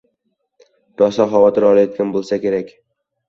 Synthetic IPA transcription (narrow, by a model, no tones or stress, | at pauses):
ɾɒsɒχɒvɒt̪ɪɾɒlˠajɒt̪̚kʲanbolˠsakʲe̞ɾakʲ